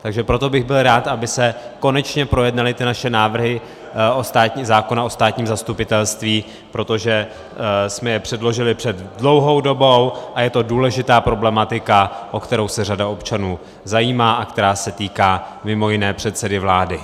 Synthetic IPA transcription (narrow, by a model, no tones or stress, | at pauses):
t̪aɡʒɛpɾo̞t̪o̞bɪɣbɪlɾaːt̪ʔabɪsɛko̞nɛt͡ʃɲɛpɾo̞jɛdnalɪt̪ɪnaʃɛnaːvr̩ɦɪ | ʔost̪aːt̪ɲizaːko̞nao̞st̪aːt̪ɲiːmzast̪upɪt̪ɛlst̪viː | pɾo̞t̪o̞ʒɛ | smɛjɛpr̝̥ɛdlo̞ʒɪlɪpr̥ɛd̪dlo̞wɦo̞wdo̞bo̞wʔajɛt̪o̞duːlɛʒɪt̪aːpɾo̞blɛmat̪ɪkaʔo̞kt̪ɛɾo̞wsɛradao̞pt͡ʃanuː | zajiːmaːʔakt̪ɛɾaːsɛt̪iːkaːmɪmo̞jɪnɛːpr̝̥ɛt̪sɛdɪvlaːdɪ